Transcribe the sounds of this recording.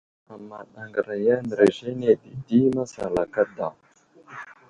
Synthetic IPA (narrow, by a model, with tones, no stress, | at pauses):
a˨ma˨ɗa˨ŋɡa˨ɾa˨ja˦nə˨ɾa˨ʒe˦ne˨di˨di˦ma˦sa̰˨la˨ka˦da˨